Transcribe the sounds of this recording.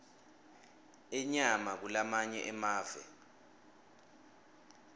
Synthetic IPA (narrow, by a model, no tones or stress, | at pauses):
ɛɲamak̬ulamaɲɛ̰ʔɛmaːvɛ̰